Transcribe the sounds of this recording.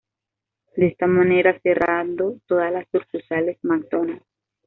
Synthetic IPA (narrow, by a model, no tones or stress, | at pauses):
d̪est̪amaneɾaserʔand̪ot̪oðaslasːuɾkusalesmak̚d̪ona